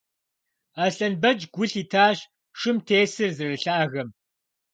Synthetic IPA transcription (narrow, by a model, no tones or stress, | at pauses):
aːɬɐnbɐd͡ʒɡʷʊɬiːtʰaːɕ | ʂɨmtʰeːsɨrzɨrɨɬaːɣɐm